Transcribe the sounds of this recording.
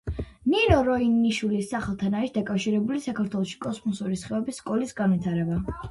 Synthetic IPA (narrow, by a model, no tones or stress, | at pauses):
ninɔɾɔinːiʃwilisːaχɛlˠt̪ʰanaɾisd̪akʼafʃiɾɛbulisakʰaɾt̪ʰwɛlˠɔʃi̥kʼɔsmɔsuɾisχɛɛbisːkʼɔlisɡanwit̪ʰaɾɛba